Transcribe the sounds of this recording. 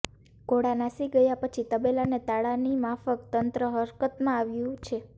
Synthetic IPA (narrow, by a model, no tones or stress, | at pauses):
koɽanasiɡəjapət͡ʃʰit̪əbelanet̪aɭanimafəkt̪ənt̪ɾəɦəɾkət̪mãaʋjũt͡ʃʰe